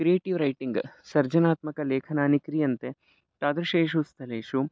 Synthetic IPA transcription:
kɾijeːʈiʋɾɐjʈiŋɡsɐɾd͡ʒɐnaːt̪mɐkɐleːkʰɐnaːnikɾijɐnt̪e | ʈaːd̪ɾɐʃeːʃust̪ʰɐleːʂu

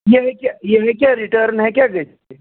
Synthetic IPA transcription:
jeɦɛkʲjajeɦɛkʲjaɾiʈəɾnɦɛkjaɡəʈ | e

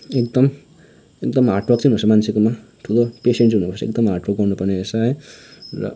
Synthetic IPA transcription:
ekd̪ʌm | ek̚d̪ʌmaʈrʌk̚t͡siɦunut͡sʰʌmant͡sʰekoma | ʈʰulopeseɳʈɦunubʌsʌḛk̚d̪ʌmɦaʈrok̚ɡʌrnupʌrneesajrʌ̰

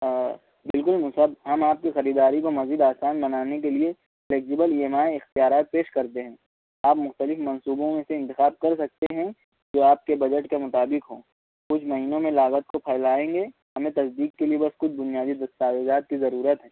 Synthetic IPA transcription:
bɪlkʊlmʊsəbɦɐmaːp̚kixɐɾiːd̪aːɾikomɐziːd̪aːsaːnbɐnaːnek̬elie | leːkd͡ʒɪbəliːeːmaːeɪxt̪ijaːɾaːt̪̚peːʃkɐɾt̪eɦɛ̃ː | aːpmʊxt̪əlɪfmɐ̃nsuːbõmẽseɪ̃nt̪ɪxaːb̚kɐɾs̬ɐk̚t̪eɦɛ̃ | d͡ʒoːaːp̚kebɐd͡ʒəʈkemʊt̪aːbɪkɦoː | kʊt͡ʃʰmɐɦiːnõmẽlaːɣət̪̚kopʰɛːɪlaːẽːŋɡeɦɐmẽt̪ɐsd̪iːkːeliebɐskʊt͡ʃʰbʊnijaːd̪id̪ɐst̪aːwɪzaːt̪̚kizɐɾuːɾət̪ɦɛ̃ː

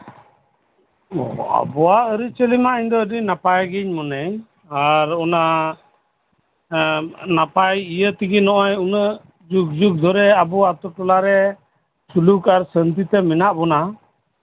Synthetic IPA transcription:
ɔ̰a̰bɔwaʔəɾit͡ʃəlimaʔiɲd̪ɔədinapajɡiɲmɔnɛj | aɾɔna | napajijət̪iɡinɔʔɔjunə | d͡ʒuk̚d͡ʒuk̚d̪ʱɔɾɛabɔat̪ɔʈɔlaɾɛ | sulukaɾsənt̪it̪ɛmɛnaʔbɔna

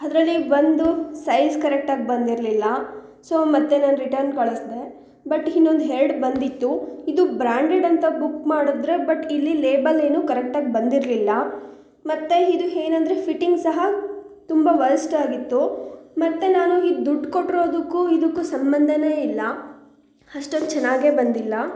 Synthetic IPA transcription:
ɐd̪ɾɐlːibɐnd̪usɐjskɐɾek̚ʈaːɡ̚bɐnd̪iɾlilːɐ | soːmɐt̪ːe̞naːnɾiʈɐɾnkɐɭɐsd̪e̞ | bɐʈinːo̞nd̪uɦeɾɖbɐnd̪it̪ːuid̪ubɾaːɳɖeɖɐnt̪ɐbukːmaːɽud̪ɾe̞bɐʈilːileːbɐle̞ːnuːkɐɾek̚ʈaːɡbɐnd̪iɾlilːɐ | mɐt̪ːe̞id̪uɦeːnɐnd̪ɾe̞pʰiʈːiŋɡsɐɦɐt̪umbɐʋɐɾɐsʈaːɡit̪ːumɐt̪ːe̞naːnuid̪uɖko̞ʈːiɾo̞ːd̪ukːuid̪ukːusɐmbɐnd̪ʱɐne̞ːilːɐ | ɐʂʈond̪t͡ʃɛnaːɡe̞ːbɐnd̪ilːɐ

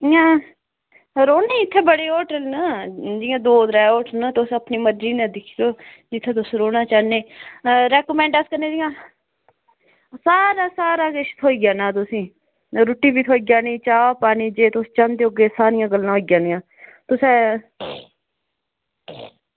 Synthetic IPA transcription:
jãː | ɾoːneːɪt̪ʰːẽːbəɽeːoːʈəlnaːd͡ʒɪːãːd̪oːd̪ɾaːoːʈʰnaːt̪ʊsəpniːməɾɾiːnɛ̃ːd̪ɪkʰiːɾoː | d͡ʒɪt̪ʰːɛ̃ːt̪ʊsɾoːnaːt͡ʃaːneːɾɛːkomɛ̃ːɳɖəskəɾneːd͡ʒɪːãː | saːɾaːsaːɾaːkeʃt̪ʰoːiːɡjaːnãːt̪̬ʊsĩː | ɾʊʈːiːbiːt̪ʰoːiːɡjaːnĩːt͡ʃaːpaːniːd͡ʒeːt̪ʊst͡ʃãnd̪eːoɡeːsaːɾɪjãːɡəlːãːɦoːiːɡjãːnɪjãː | t̪ʊsɛː

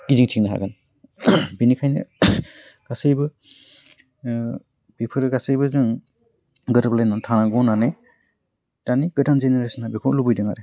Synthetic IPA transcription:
kiziŋtʰiŋnaɦa̰ɡan | binikʰajnɯ̰ | ɡ̥asɯjbɯ | pepʰɯɾɯɡasɯjbɯzɯŋ | ɡɯtablajnɔntʰanaɡɔnane | taniɡ̥ɯtanzeneɾesɔnhabikʰɔlubɯjdɯŋaɾe

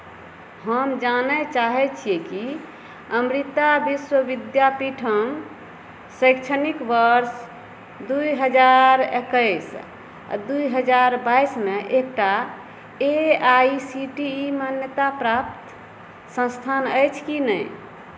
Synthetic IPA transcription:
həmd͡ʒanɛt͡ʃaɦɛt͡ʃʰijeki | əmɾit̪abiswəʋid̪japiʈʰəm | səjkt͡ʃʰənikʋəɾs | d̪uiɦəd͡ʒaɾḛkəs | d̪ujɦəd͡ʒaɾbajsmeʔek̚ʈa | eaisiʈiːmanjət̪apɾap̚t̪ | sə̃st̪ʰanəjt͡ʃʰkinəj

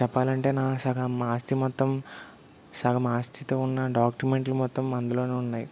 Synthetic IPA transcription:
t͡ʃɛpːaːlɐɳʈe̞ːnaːsɐɡɐmaːst̪imɔt̪ːɐm | sɐɡɐmaːst̪ʰit̪o̞ːunːɐɖaːkʈume̞ɳʈlumɔt̪ːɐmɐnd̪uloːneːunːaːji

